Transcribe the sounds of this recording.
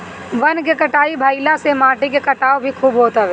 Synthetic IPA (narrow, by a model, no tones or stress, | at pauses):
ʋɐnk̬ekɐʈaːibʱaːilasemãːʈik̬ekɐʈaːobʱikʰuːbɦoːt̪aʋe